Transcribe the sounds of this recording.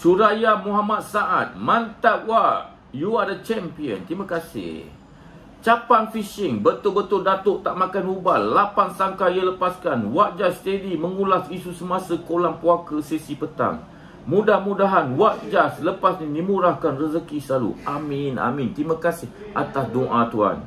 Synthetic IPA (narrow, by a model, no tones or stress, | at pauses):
suɾajamuɦamat̪̚saʔat̪̚mant̪aʔwaʔ | juadət͡ʃɛmpiə̰nt̪imakasɪ̰h | t͡ʃapaŋfiʃɪŋbət̪ʊbət̪ʊldat̪ʊʔt̪aʔmakanubalːapansaŋkaiələpaskanwaʔ̚d͡ʒast̪ədiməŋulasisusəmasəkolaŋpuakəsesipət̪a̰ŋ | mudahmudaɦanwaʔd͡ʒasləpasnidimuɾahkanrəzəkisəlalṵʔamɪna̰mint̪ɾimakasɪh | ʔat̪asdoʔat̪ua̰n